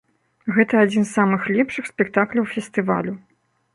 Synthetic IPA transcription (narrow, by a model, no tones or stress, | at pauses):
ɣɛt̪ɐad͡zʲinsːamɨxlʲɛpʂɨxsʲpʲɛk̚t̪aklʲɐwfʲɛst̪ɨva̰lʲu